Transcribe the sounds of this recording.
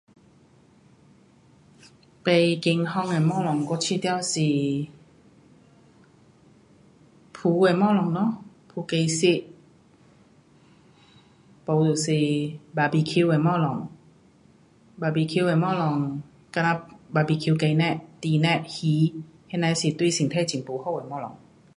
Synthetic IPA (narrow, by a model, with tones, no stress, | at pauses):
pa˨˧jke˧ŋhɔ˧˨ŋa˧˨˩mɔ˥˨lɔ˨ŋko˧˦t͡ʃʰi˧t̪ɛ˧wsi˧˨ | pʰuː˧˦wa˧˨jmɔː˥˨lɔ˨ŋnɔ˧˥˨ | pʰuː˧ka˧jsi˧ʔ | pa˧u˨si˧baː˧bi˧kʰi˧wa˨˧˨mɔ˥˨lɔ˨˦ŋ | baː˧bi˧kʰi˧wa˧jmɔː˥˨lɔ˧˩ŋ | ka˧na˧ba˨˧˩bi˧kʰi˧wka˧jnɛ˧ʔt̪iː˧nɛ˧˨hiː˨˧˦ | he˧˨na˧si˧˩t̪wsi˨ŋt̪ʰa˥˧˨t͡ɕi˨˦ŋpuː˨˦hɔ˧˥˧wa˨jmɔː˧˨lɔ̰˨˦ŋ